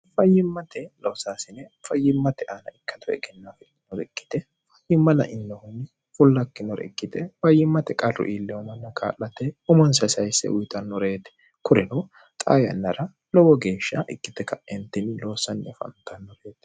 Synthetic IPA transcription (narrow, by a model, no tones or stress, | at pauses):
fɐjːɪmːɐt̪ʰɛloːsaːsɪnɛfɐjːɪmːɐt̪ɛʔanɐɪkːɐd̪ʊɛ̰ɡɛnːɐfɛ | nɔɾɛkʼːɪ̥t̪ɛ | fɐjɪmːɐlɐ̰ʔɪnːɔhʊn | fʊlːɐkːɪnɔɾɛ̰kːɪt̪ɛfɐjːɪmːɐt̪ɛkʼɐrʊ̰ʔiːlːɛwɔmɐnːɐkʰa̰ːlːɐt̪ɛʊmɔnsɐsɐjsːɛ̰ʊjt̪ʼɐnːɔɾeːt̪ɛ̥ | kʊɾɛnɔ | t̪ʼa̰ːjɐ̰nːɐɾɐ | lɔwɔɡe̞ːʃːɐʔɪ̰kːɪt̪ɛkɐʔɛnt̪ɪnɪloːsɐnːɛfɐ̰nt̪ɐnːɔɾeːt̪ɛ̥